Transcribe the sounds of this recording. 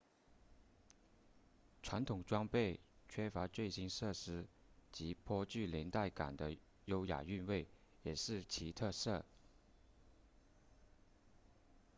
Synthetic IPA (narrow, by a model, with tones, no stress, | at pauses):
ʈ͡ʂʰwa˧˥nt̪ʰʊ˨˩ŋʈ͡ʂwɑ˥ŋpe˥˩ɪt͡ɕʰɥɛ˥fa˧˥t͡swe˥˩ɪɕi˥nʂɤ˥˩ʂɻ̩˥ | t͡ɕi˧˥pʰwɔ˥t͡ɕy˥˩ljɛ˧˥nt̪a˥˩ɪka̰˨˩nd̪ə˦ | jo˥ʊja̰˨˩y˥˧nwe˥˩ɪjɛ˨˩ʂɻ̩˥˩t͡ɕʰi˧˥t̪ʰɤ˥˧ʂɤ˥˩